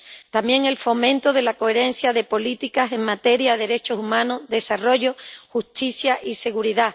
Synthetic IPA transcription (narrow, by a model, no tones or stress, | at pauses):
t̪amje̞ŋe̞lfo̞mẽ̞nt̪o̞ð̞e̞lako̞e̞ɾẽ̞nθjaðe̞po̞lit̪ikase̞ŋmat̪e̞ɾjaðeðe̞ɾe̞t͡ʃo̞sumãnoðe̞saro̞ʝoxust̪iθjaʔise̞ɣuɾiða